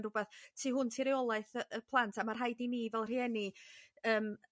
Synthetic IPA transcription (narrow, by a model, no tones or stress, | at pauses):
nrʊbɛθtʰiːɦʊntʰiɾejɔlˠaɨθəʔəpʰlˠantʰamarɦajdiniːvɛlˠr̥iɛniəːm